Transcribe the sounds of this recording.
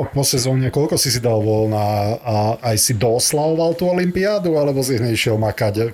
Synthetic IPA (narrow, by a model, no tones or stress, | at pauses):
pɔsɛzɔːɲɛkɔlkɔsisid̪alʋɔlna | ajsid̪ɔslald̪alt̪uːɔlimpiaːd̪ualɛbɔsiɲɛiʃɪɛlmakac